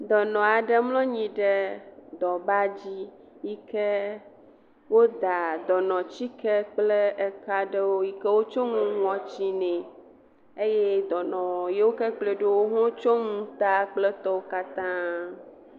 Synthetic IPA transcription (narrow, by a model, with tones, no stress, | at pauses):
d̪ɔ˨nɔ̃˨a˨ɖɛ˦mlɔ̃˦ɲĩ˨ɖɛ˦d̪ɔ˨ba˦d͡ʑi˦ | ji˦kɛ˦ | wo˦d̪a˨d̪ɔ˨nɔ̃˨t͡ɕi˦kɛ˦k͡plɛ˦ɛ˨ka˦ɖɛ˦wo˦ji˦kɛ˦wo˦t͡ʃɔ˦ŋũ˦ŋũ˦ɔ̃˨t͡ɕi˦nɛ̃˨ | e˦je˦d̪ɔ˨nɔ̃˨je˦wo˦kɛ˦k͡ple˨ɖo˦wo˦ɦɔ̃˦t͡ʃɔ˦ŋũ˦t̪a˦k͡plɛ˦t̪ɔ˦wo˦ka˦t̪ã˦